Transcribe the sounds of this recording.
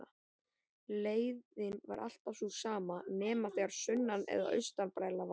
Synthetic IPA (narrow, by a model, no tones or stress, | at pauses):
a | leːjðɪnva̰ɾʔa̰l̥t̪afsusaːmanɛːmaθɛɣaɾ̥sʏnːanɛ̰ða̰ʔœ̰ɥst̪anpɾaːjlav